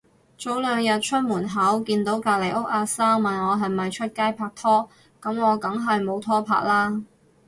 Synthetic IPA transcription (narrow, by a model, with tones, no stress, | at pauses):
t͡so˨˥wlœː˨˧ŋjɐ˨t̚t͡ʃʰɵ˥t̚muː˨˩nɦɐ˨˥wkiː˧nt̪o˨˥wkaː˧le˨˩jʊ˥k̚aː˧saː˥ŋmɐ˨nŋɔː˨˧ɦɐ˨˩jmɐ˨jt͡ʃʰɵ˥t̚kaː˥jpʰaː˧k̚t̪ʰɔː˥ | kɐ˨˥mŋɔː˨˧kɐ˨˥ŋɦɐ˨jmo˨˧wt̪ʰɔː˥pʰa̰ː˧˥k̚laː˥